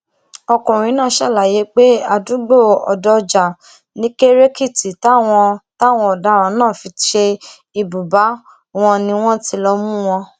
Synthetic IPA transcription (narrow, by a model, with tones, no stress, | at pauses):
ɔ˧kũ˨ɾ̃ĩ˨˦nãː˦˨˦ʃa˦˨la˨je˨˦k͡pe˦a˦˨du˨˦ɡ͡bo˦˨ɔ̰˨dɔ˧d͡ʒa˨ | nĩ˨˦ke˦ɾe˦ki˦˨ti˨ta˦w̃ɔ̃˧ta˦˨w̃ɔ̃˧ɔ˨da˨˦˨ɾa˨˧˦nãː˦˨fi˧ʃe˧ | i˨bu˨ba˨˦ | w̃ɔ̃˧nĩ˧w̃ɔ̃˦ti˧lɔ˧mũ˦w̃ɔ̃˧